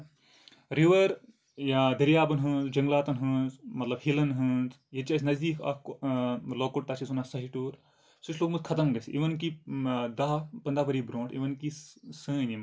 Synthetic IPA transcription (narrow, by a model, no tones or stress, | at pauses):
ɾiʋɐɾ | jad̪ɐɾijaːbɐnɦɨ̃ːnzd͡ʒɐŋɡlaːt̪ɐnɦɨ̃ːzmɐt̪lɐbhilɐnɦɨːnz | jet͡ʃaːs̬ʲnɐzd̪iːkɐ̰k | loːkuʈ̚t̪asisunaːsɐɦiʈuːɾ | sut͡ʃʰloːkmɨd̪kʰɐt̪ɐmɡɐsʔḭʋɐnkid̪ɐɦpɐnd̪aːpɐɾibɾõːɳʈḭʋɐnkisɨ̃ːnim